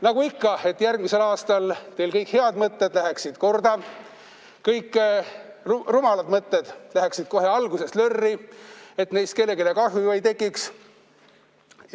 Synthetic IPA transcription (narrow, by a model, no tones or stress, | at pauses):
nɑɡ̥uikːɑe̞t̪ːˑjærɡmise̞lɑːst̪ɑlt̪e̞jlkɤjkhe̞ɑd̪mɤt̪ːed̪læɦeksid̪̥ko̞rd̪ɑ | kɤjkː | rumɑlɑd̪mɤt̪ːed̪̥læɦeksid̪̥̚ko̞ɦe̞ɑlɡ̥use̞slørːie̞t̪ne̞jst̪ke̞lːe̞ɡilekɑsvivɑjt̪e̞kːˑiks